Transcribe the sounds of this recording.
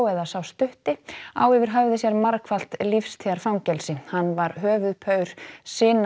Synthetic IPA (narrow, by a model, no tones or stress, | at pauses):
wɛðasawst̪ʏht̪ɪa̰ːwɪvɪɾ̥ɦœvðɪsjɛɾmaɾkʰval̥t̪lifst̪ʰiːðaɾ̥fawmcɛlsɪhanːvaɾɦœːvʏðpʰœːɥɾ̥sɪːn